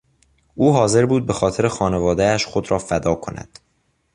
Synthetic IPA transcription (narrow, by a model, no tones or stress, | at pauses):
ʔuːɦɒːze̞ɾbuːd̪̚be̞xɒːt̪ʰe̞ɾexɒːne̞vɒːd̪eæʃχod̪ɾɒːfæd̪ɒːkʰo̞næ̰d̪̥